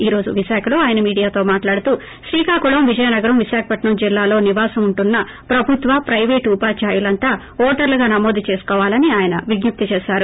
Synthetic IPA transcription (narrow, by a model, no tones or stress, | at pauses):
iːɾo̞ːd͡ʒuʋiʃaːkʰɐlo̞ːaːjɐnɐmiːɽijaːt̪o̞ːmaːʈlaːɽut̪uː | ʃɾiːkaːkuɭɐmʋid͡ʒɐjɐnɐɡɐɾɐmʋiʃaːkʰɐpɐʈnɐmd͡ʒilːaːlo̞ːniʋaːsɐmuɳʈunːɐ | pɾɐbʱut̪ʋɐpɾɐjʋeːʈupaːt͡ʃaːjulɐnt̪aː | ɔːʈɐɾlɐɡaːnɐmoːd̪it͡ʃe̞ːskɔːʋaːlɐniaːjɐnɐʋiɡɲup̚t̪it͡ʃeːʃaːɾu